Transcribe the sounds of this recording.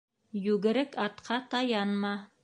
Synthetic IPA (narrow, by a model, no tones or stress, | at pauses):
jʉɡɘ̆ɾɘkɑt̪qʰɑt̪ɑjɑnmɑ